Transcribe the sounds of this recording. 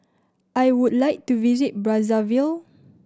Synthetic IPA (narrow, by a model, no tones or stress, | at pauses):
ʔajwudlajk̚tuvizit̚bɹazavil